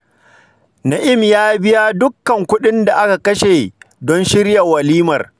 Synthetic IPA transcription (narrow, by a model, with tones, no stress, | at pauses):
na˨ʔɪ˦mjaː˦bɪ˦ja˦dʊ˦kːɐ˨ŋkʷʊ˦ɗɪ˦nda˨ʔa˦ka˨kɐ˦ʃe˨ | dɔ˦nʃɪ˦rja˨wɐ˨liː˦mɐ˨r